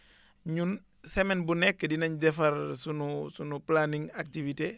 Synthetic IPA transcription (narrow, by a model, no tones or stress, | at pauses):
ɲun | sɛmɛnbunɛkːədinɐɲdɛfɐɾsunusunuplaniŋak̚tivite